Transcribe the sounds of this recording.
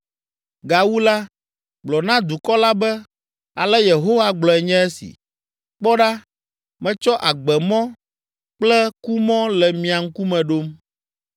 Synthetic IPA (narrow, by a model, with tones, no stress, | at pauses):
ɡa˨wu˦la˦ | ɡ͡blɔ˨nã˦d̪u˨kɔ˦la˦bɛ˦ | a˨lɛ˦je˨ɦo˦wa˦ɡ͡blɔ˨ɛ˨ɲɛ̃˦ɛ˦sḭ˨ | k͡pɔ˦ɖa˦ | mɛ̃˨t͡ʃɔ˦ʔa˨ɡ͡bɛ˨mɔ̃˦ | k͡plɛ˦ku˦mɔ̃˦lɛ˨mĩ˨a˨ŋ̩˦ku˦mɛ̃˨ɖo˦m